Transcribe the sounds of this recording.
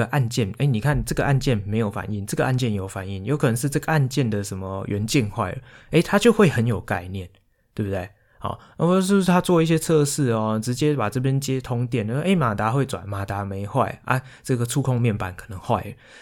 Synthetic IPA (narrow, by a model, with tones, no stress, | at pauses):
ə˨ʔa˥˧nt͡ɕjɛ˥˩ne˥˩ni˨˩kʰa˥˩nʈ͡ʂɤ˥˨˩ɡə˩ʔa˥˧nt͡ɕjɛ˥˩nme˧˥ɪjo˨˩ʊfa̰˨˩ni˥˩ŋʈ͡ʂɤ˥˩ɡə˩˧ʔa˥˧nt͡ɕjɛ˥˩njo˨˩ʊfa˨˩ni˥˩ŋjo˧˥ʊkʰɤ˨nə˧˦ŋʂ̬̩˥˧ʈ͡ʂɤ˥˩ɡə˩˧a˥˧nt͡ɕjɛ˥˨nd̪ə˨ʂə˧˦nmə˧ɥɛ˧˥nt͡ɕɛ˥˧nxwa˥˩ɪə̰˩e˥˩ɪt̪ʰa˦t͡ɕjo˥˧ʊxwe˥˩ɪxə˧˦njo˨˩ʊka˥˧ɪnjɛ˥˩n | t̪we˥˧˩bu˧t̪we˥˩ɪ | hɔ̰˨˩˥wʂ̬̩˥˩˥t̪ʰa˦˥t͡swɔ˥˧i˥˩ɕ̬jɛ˥t͡sʰɤ˥˧ʂɻ̩˥˩ɔ˨˩ʈ͡ʂɻ̩˧˦t͡ɕjɛ˦pa˨˩ʈ͡ʂɤ˥˧p̬jɛ˥nt͡ɕjɛ˦t̪ʰʊ˥ŋt̪jɛ˥˩˨n˨˩˥ʔe˥˩ɪma˨˩t̪a˨˥xwe˥˩ɪt͡swa̰˨˩nma˨˩t̪a˧˥me˨˧˦ɪxwa˥˨˩ɪʔa̰˦ʈ͡ʂɤ˥˩ɡə˩ʈ͡ʂʰu˥kʰʊ˥ŋmjɛ˥˩npa˨˩nkʰɤ˨˩nə˧˦ŋxwa̰˥˩ɪə˨˩